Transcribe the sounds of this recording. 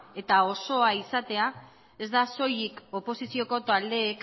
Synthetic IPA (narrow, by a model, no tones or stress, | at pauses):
e̞t̪ao̞so̞aisat̪e̞a | e̞zd̪aso̞jiko̞po̞sisio̞ko̞t̪ald̪e̞ːk